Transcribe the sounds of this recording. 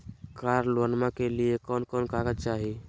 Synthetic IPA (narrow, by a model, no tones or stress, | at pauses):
kaɾlwənmakeliekɔnkɔnkaɡək̚t͡ʃaɦi